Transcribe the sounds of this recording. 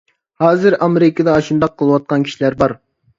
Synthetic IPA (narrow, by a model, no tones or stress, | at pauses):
hɑːzɨɾɑmeɾɪkʰəd̪ɛɑʃund̪ɑqʰːəlˠɨwɑt̪̚qɑnkʲʰi̥ʃilæɾbɑɾ